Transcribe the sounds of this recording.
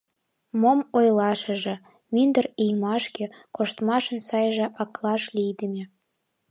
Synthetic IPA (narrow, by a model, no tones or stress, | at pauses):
momojlɑʃə̆ʒĕ | mind̪ərijmɑʃkekoʃt̪mɑʃə̆nsɑjʒĕʔɑklˠɑʃlijd̪ə̆mʲe